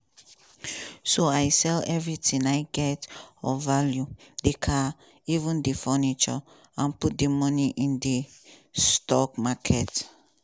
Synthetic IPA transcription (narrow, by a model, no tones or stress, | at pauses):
soaɪsɛlɛvɹitĩnaɪɡɛtɔvaljudekʰa | ivũndefɔnit͡ʃɔ̰ | ãnput̚demɔniʔĩndestɔkmakʰɛt